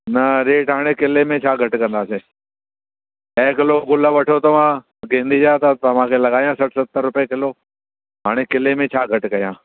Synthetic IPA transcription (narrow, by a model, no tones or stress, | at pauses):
nɐɾeːʈɦaːɽ̃ekɪlemẽt͡ʃʰaːɡʱɐʈkɐ̃nd̪aːseː | ɛːkɪloːɡʊləʋɐʈʰot̪ɐʋãː | ɡẽːnd̪iːd͡ʒaːt̪ət̪ɐʋ̤ãːkʰeːlɐɡaːijãːsɐʈʰsət̪ːəɾːʊpekɪloː | ɦaːɽ̃ekɪlemẽt͡ʃʰaːɡʱəʈkɐjãː